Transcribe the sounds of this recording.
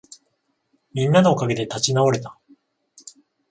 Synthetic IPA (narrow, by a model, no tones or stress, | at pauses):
mʲĩnːanoːkaɡe̞d̪e̞t̪at͡ɕinao̞ɾe̞t̪ḁ